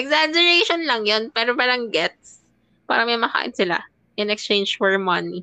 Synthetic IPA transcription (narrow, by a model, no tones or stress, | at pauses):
ʔɛɡzad͡ʒɛɹeʃonlɐŋjonpɛːɾopɐlɐŋɡɛt̪̚s | pa̰ːɾɐmɐjmɐka̰ːʔɪ̰nsɪla̰ | ʔɪnɛkst͡ʃẽjnd͡ʒfɔɹmɐni